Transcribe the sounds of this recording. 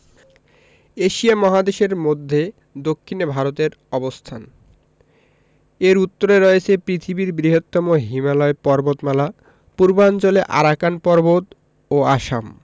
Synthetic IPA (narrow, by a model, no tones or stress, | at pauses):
eʃiamɔɦad̪eʃeɾmod̪ʱːe | d̪okʰːinebʱaɾot̪eɾɔbost̪ʰa̰n | eɾut̪ːoɾeɾɔet͡ɕʰepɾit̪ʰibiɾɡɾiɦot̪ːɔmoɦimalɔepɔɾbot̪mala | puɾbaɔnt͡ɕoleʔa̰ɾakanpɔɾbot̪ | oaʃam